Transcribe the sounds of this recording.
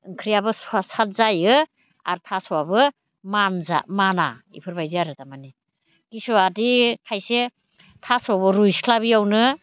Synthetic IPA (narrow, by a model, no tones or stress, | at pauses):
ɯŋkʰɾijabɯsasat̚zajɯ | a̰ɾtʰasɔwabɯ | manza̰mana̰ḭpʰɯɾbajziaɾɯtamani | ɡ̥isɔadikʰajse | tʰasɔbɯɾujskʰlaβijawnɯ